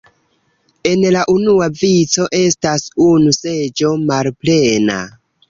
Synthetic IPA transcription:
e̞nlaʔunuavit͡so̞ʔe̞stasunuse̞d͡ʒo̞malple̞na̰

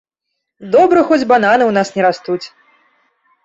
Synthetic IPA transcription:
d̪ɔbɾɨxɔd͡zʲbananɨwnasnʲɛɾast̪ut͡sʲ

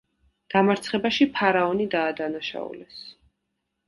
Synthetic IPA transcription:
ɡ̪̥amaɾt̪sʰχɛbaʃipʰaɾaɔnid̪aːd̪anaʃa̰ṵlɛs

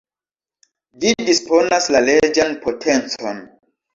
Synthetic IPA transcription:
d͡ʒidispo̞naslaled͡ʒanpʰo̞tʰe̞nt͡so̞n

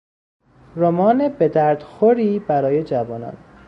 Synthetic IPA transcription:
ɾomɒːnebed̪æɾd̪̥xoɾiːbæɾɒːje̞d͡ʒævɒːnɒ̰ːn

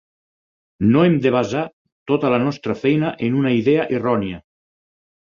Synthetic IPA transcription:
noemd̪eβ̞aza | t̪ot̪əlanɔst̪ɾəfɛjnəʔenunaiðɛəʔirɔniə

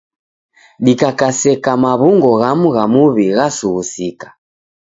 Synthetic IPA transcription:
ɗikakasɛkamaβuŋɡɔɣamuɣamuβiɣasuɣusikḁ

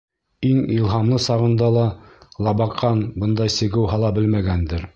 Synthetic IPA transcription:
iŋilˠɦɑmlˠɤsɑʁɤ̆nd̪ɑlˠɑlˠɑbɑqʰːɑnbɤnd̪ɑjsɘ̆ɡɘwɦɑlˠɑbɘlmæɡænd̪ɘɾ

